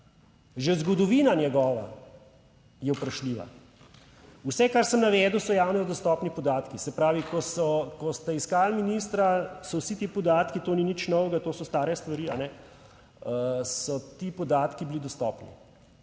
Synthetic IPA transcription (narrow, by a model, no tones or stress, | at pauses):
ʒezɡɔd̪ɔʋiːnanjɛɡɔːʋa̰ | jɛwpɾaʃliːʋa̰ | usɛkaɾsəmnaʋɛːd̪uwsɔjaːwnɛd̪ɔst̪ɔːpnipɔd̪aːt̪kisɛpɾaːʋikɔsɔkɔst̪aiskalminiːst̪ɾasɔwsit̪iːpɔd̪aːt̪kit̪oːninit͡ʃnɔwʋɛɡat̪oːsɔst̪aːɾjɛst̪ʋaɾiːa̰nɛ | sɔt̪iːpɔd̪aːt̪kibilid̪ɔst̪ɔpnḭ